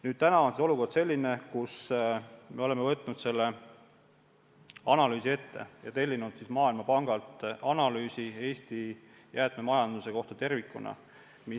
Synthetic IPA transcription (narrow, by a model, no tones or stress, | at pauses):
nyːd̪̥̚t̪ænɑo̞nsieo̞luko̞rd̪se̞lʲːinekus | meo̞lemevɤt̪ːˑnud̪̥se̞lːe̞ | ɑnɑlyːsie̞t̪ːe̞̰jɑ̰t̪e̞lʲːinud̪̥sismɑːilmɑpɑŋɡ̥ɑlt̪ˑɑnɑlyːsie̞ːst̪i | jʔæːt̪me̞mɑjɑnd̪̥use̞ko̞ht̪ɑt̪e̞rvikːunɑ̰ | mi